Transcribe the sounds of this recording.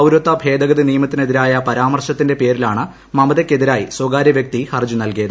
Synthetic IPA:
ɐwɾot̪ːɐbʱe̞ːd̪ɐɣɐðinijɐmɐt̪ːine̞ðiɾaːjɐpɐɾaːmɐrɕɐt̪ːinde̞pe̞ːɾilaːɳɨ | mɐmɐðɐkːe̞ðiɾaːjiswoɡaːɾjɐʋjɐk̚t̪ihɐrd͡ʑunɐlkijɐðɨ

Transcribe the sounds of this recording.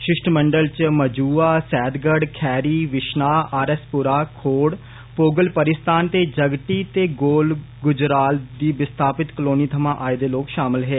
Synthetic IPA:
ʃɪʃʈʰməɳɖəlt͡ʃməd͡ʒuːaːsɛːd̪ɡəɽkʰɛːɾiːʋɪʃnaːaːɾɛspʊɾaːkʰoːɽ | poːɡəlpəɾɪst̪aːnt̪eːd͡ʒəɡʈiːt̪eːɡoːl | ɡʊd͡ʒɾaːld̪iːbɪst̪ʰaːpɪt̪kəloːniːt̪ʰəmãːʔaːed̪eːloːkʃaːmɪlɦeː

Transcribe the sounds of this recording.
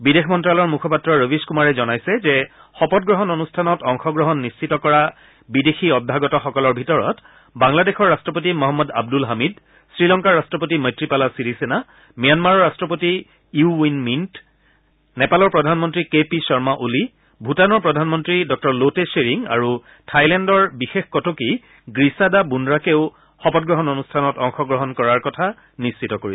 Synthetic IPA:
bidexʰmɔntɹalɔɹmukʰɔpatɹɔɹowiskumaɹɛzɔnajsɛzɛ | xɔpɔt̚ɡɹɔɦɔnonustʰanɔtɔŋxɔɡɹɔɦɔnːist͡ʃʰitɔkɔɹa | bidexiɔdʱːaɡɔtɔxɔkɔlɔɹbʱitɔɹɔ̰t | baŋladexɔɹːastɹɔpot̬imɔɦɔmːɔda̰b̚dulɦamid | sɹilɔŋkaɹastɹɔpotimɔjtɹipalasiɹisena | mijanmaɹɔɹːastɹɔp̬oti | uinmint | nɛpalɔɹpɹɔdʱanmɔntɹikepisɔɹmaʔuli | bʱutanɔɹpɹɔdʱanmɔntɹidɔk̚tɔɹloteseɹiŋa̰ɹu | tʰajlɛndɔɹbixexkɔtoki | ɡɹisadabundɹakeʊ | xɔpɔt̚ɡɹɔɦɔnonustʰanɔtɔŋxɔɡɹɔɦɔnkɔɹaɹkɔtʰa | nist͡ʃʰitɔkoɹi

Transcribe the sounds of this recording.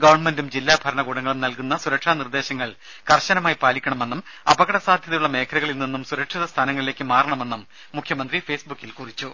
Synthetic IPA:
ɡɐʋɐrɳmendumd͡ʑilːaːbʱɐɾɐɳɐɡuːɽɐŋːɐɭumnɐlkunːɐsuɾɐkʂanird̪e̞ːɕɐŋːɐɭ | kɐrɕɐnɐmaːjpaːlikʲːɐɳɐme̞nːum | ɐbɐɣɐɽɐsaːd̪ʱjɐðɐjuɭːɐme̞ːkʰɐluɣɐɭilninːumsuɾɐkʂiðɐst̪ʰaːnɐŋːɐɭile̞ːkːɨmaːrɐɳɐme̞nːumː | ukʰjɐmɐnd̪rife̞ːsbukːilkurit͡ɕːu

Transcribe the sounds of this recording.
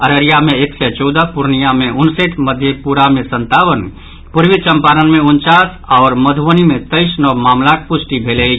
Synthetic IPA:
əɾəɾijameeksɛt͡ʃɔwd̪əpuɾnijameʊnseʈməd̪ʱjepuɾamesə̃nt̪abən | puɾʋit͡ʃəmpaɾənmeunt͡ʃasɔːɾməd̪ʱʋənimet̪əɪsnɔmamlat̪̚pʊsʈibʱele

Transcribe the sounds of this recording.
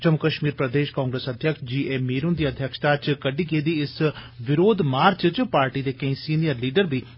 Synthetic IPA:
t͡ʃəmʊkəʃmiːɾpɾəd̪eːʃkãːŋɡɾesəd̪ʱjəkʃd͡ʒiːeːmːiːɾʊnd̪iːəd̪ʱjəkʃt̪aːt͡ʃkəɖiːkeːd̪iːɪsʋɪɾoːd̪maːɾt͡ʃt͡ʃpaːɾʈiːd̪eːkɐ̃ĩːsiːnijəɾliːɖəɾbiː

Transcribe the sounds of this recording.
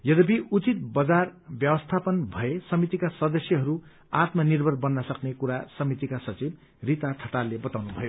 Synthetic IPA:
jʌd̪ʌpiut͡sit̪̚bʌd͡zarbjʌbʌst̪ʰapʌnbʱʌesʌmit̪ikasʌd̪ʌsjʌɦʌɾu | at̪mʌnirbʱʌrbʌnːʌsʌknekuɾasʌmit̪ikasʌt͡sib | rit̪aʈ̪ʰʌt̪alːebʌt̪awnubʱʌjo

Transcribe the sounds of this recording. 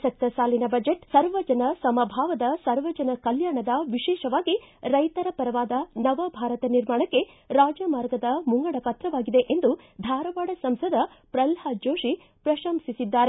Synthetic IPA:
sɐk̚t̪ɐsaːlinɐbɐd͡ʒeʈsɐɾʋɐd͡ʒɐnɐsɐmɐbʱaːʋɐd̪ɐsɐɾʋɐd͡ʒɐnɐkɐljaːɾɳɐd̪ɐʋiʃɛːʃɐʋaːɡiɾɐjt̪ɐɾɐpɐɾɐʋaːd̪ɐnɐʋɐbʱaːɾɐt̪ɐniɾmaːɳɐkːe̞ | ɾaːd͡ʒɐmaːɾɡɐd̪ɐmuŋɡɐɽɐpɐt̪ɾɐʋaːɡid̪e̞ʔend̪u | d̪ʱaːɾɐʋaːɽɐsɐmsɐd̪ʱɐ | pɾɐlhɐd͡ʒoːʃi | pɾɐʃɐmsisid̪ːaːɾe

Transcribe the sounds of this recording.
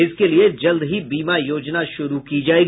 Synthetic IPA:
ɪskelied͡ʒɐld̪ɦibiːmajoːd͡ʒnaʃʊɾukid͡ʒaːeːɡ

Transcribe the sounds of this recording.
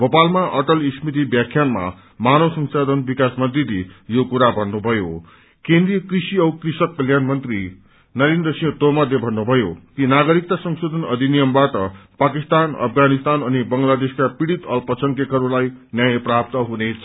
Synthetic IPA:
ɡopalmaʔʌʈʌlismit̪ibjakʰjanma̰ | manosʌŋsad̪ʱʌnbikasmʌnt̪rilejokuɾabʱʌnːubʱʌjo | kẽnd̪rijʌkrisiʌwkrisʌkːʌljanmʌnt̪ri | nʌɾinrʌsijʌ̃t̪omʌd̪ebʱʌnːubʱʌjo̰kinaɡʌɾik̚t̪asʌŋsod̪ʱʌnʌd̪ʱinijʌmbaʈʌpakist̪anʌ̰pʰɡanist̪anʌnibʌŋɡlad̪eskapiɽit̪ʌlpʌsʌŋkekʌɾulajnjajʌprap̚t̪ʌɦunet͡sʰʌ

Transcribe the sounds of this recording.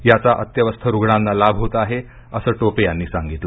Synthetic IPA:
jat͡saʔət̪jəʋəst̪ʰəɾuɡɳãnːalabʱɦot̪əaɦe | əsəːʈopejanːiːsaŋɡit̪lə

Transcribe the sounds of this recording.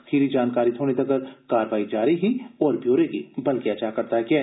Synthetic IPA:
ɐxiːɾid͡ʒaːnkaːɾit̪ʰoːñet̪ɐkəɾkaːɾʋaːid͡ʒaːɾiɦiɔːɾbʱjoːɾekibɐlkeɐt͡ʃakɐɾt̪aɦɛkjaːɦ

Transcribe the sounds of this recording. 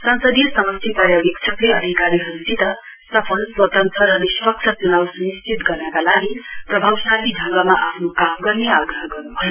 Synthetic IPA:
sansʌd̪ijʌsʌmʌst̪ʰipʌɾjawjikt͡sʰʌkleʌd̪ʱikaɾiɦʌɾud͡zit̪ʌ | sʌpʰʌlswʌt̪ʌnt̪ʌɾɦʌɾeswʌk̚t͡ʃʰʌt͡sunawsunist͡ʃit̪ɡʌrnʌkalaɡiprʌbʱawsalidʱʌŋɡamaʔapʰnokamɡʌrneaɡrʌɦɡʌrnubʱʌjo

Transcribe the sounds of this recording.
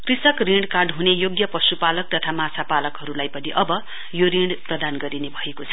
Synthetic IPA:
krisʌkriɳɖkarɖɦunejoɡjʌpʌsupalʌk̚t̪ʌt̪ʰamat͡sʰapalʌkɦʌɾulajpʌniʔʌbʌ | joɾiɳɖprʌd̪anɡʌɾinebʱʌekot͡sʰʌ

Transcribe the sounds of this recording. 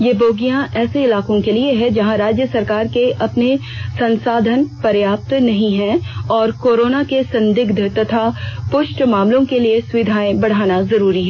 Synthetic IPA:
jeboːɡijãʔɛːseɪlaːkõkelieɦɛ̃d͡ʒɐɦãɾaːd͡ʒjəsɐɾkaːɾkeʔɐpne | sɐ̃nsaːd̪ʱənpɐɾjaːp̚t̪nɐɦĩɦɛ̃ɔːɾkoːɾoːnakesɐ̃nd̪ɪɡd̪ʱt̪ɐt̪ʰapʊʃʈmaːmlõkeliesʊʋɪd̪ʱaːẽbɐɽ̤aːnazɐɾuːɾiɦɛː

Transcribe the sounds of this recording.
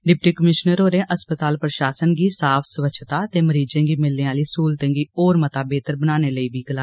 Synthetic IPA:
ɖɪp̚ʈiːkəmɪʃnəɾoːɾẽːʔəspət̪aːlpɾəʃaːsənɡiːsaːpʰsəʋət͡ʃʰt̪aːt̪eːməɾiːd͡ʒẽːɡiːmɪlːẽːaːliːsuːlt̪ẽːɡiːoːɾmət̪aːbeːt̪əɾbənaːneːləiːbiːɡəlaː

